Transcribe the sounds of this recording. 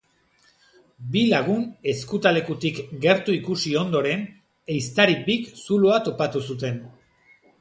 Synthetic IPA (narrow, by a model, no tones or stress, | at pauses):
bilaɣune̞skut̪ale̞kut̪ikɡe̞ɾt̪uikusio̞nd̪o̞ɾe̞n | e̞jst̪aɾibiksuloat̪o̞pat̪usut̪e̞n